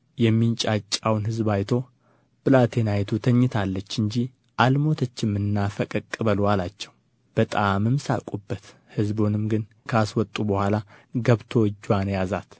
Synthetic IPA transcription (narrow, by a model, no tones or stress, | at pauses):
jɛmːint͡ʃʼat͡ʃʼːawnhɨzbajt̪ʰo̞ | bɨlat̪ʰe̞najt̪ʰut̪ʰəɲːɪt̪ʰalːət͡ʃːɨɲd͡ʒi | ʔalmo̞t̪ʰət͡ʃːɪmːɨnːafəkʼəkʼːɨβəlwalat͡ʃːɛw | b̥ət̪ʼamɨmsa̰kʼubːət̪ | hɨzbonɨmɡɨn | kʰəaswɔt̪ʼːubəhʷalaɡəβt̪ʰo̞ɨd͡ʒːwanjazat̪